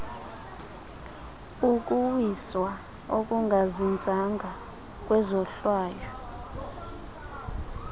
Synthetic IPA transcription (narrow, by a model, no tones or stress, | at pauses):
uk̬ʼuwiswa | ok̬ʼuŋɡʱazind͡zʱaŋɡʱa | k̬ʼwɛzɔɬwaːjɔ